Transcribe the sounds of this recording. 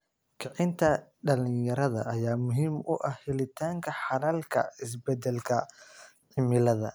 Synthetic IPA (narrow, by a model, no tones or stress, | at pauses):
kʰɑʕɪnt̪ʰɐɖɐlɪjɐɾɐðɐ̰ʔɐjaːmʊɦiːmʊʔɐhhɪlɪt̪ʰaːŋkʰɐħɑnɐlkʰɐ̰ɪs̬bɛd̪ɛlkʰɐ | ʕɪmɪlɐðɐ̰